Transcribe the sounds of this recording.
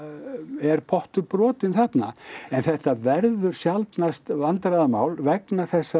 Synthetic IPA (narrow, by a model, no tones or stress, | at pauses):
ɛɾ̥pʰɔht̪ʏɾpɾɔːt̪ɪnθɛt̪na̰ɛnθɛht̪avɛɾðʏɾ̥sjalt̪nast̪vant̪ɾaðamaːwlvɛknaθɛsːa